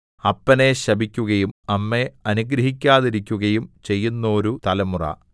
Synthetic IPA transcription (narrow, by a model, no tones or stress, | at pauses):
ɐpːɐne̞ɕɐbikʲːuɣɐjumɐmːe̞ɐnuɡɾɐɦikʲːaːðiɾikʲːuɣɐjumt͡ɕe̞jːunːɐoɾut̪ɐlɐmurɐ̰